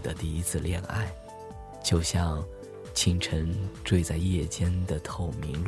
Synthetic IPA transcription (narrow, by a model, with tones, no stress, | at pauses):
d̪ə˨˦t̪i˥˩i˥t͡sʰɹ̩˥˧ljɛ˥˧na̰˥˧ɪ | t͡ɕjo˥˧ʊɕjɑ˥˧ŋ | t͡ɕʰi˥ŋʈ͡ʂʰə˧˥ŋʈ͡ʂwe˥˧ɪt͡sa˥˧ɪjɛ˥˩t͡ɕjɛ˥nd̪ə˨t̪ʰo˥˩ʊmi˧˥ŋl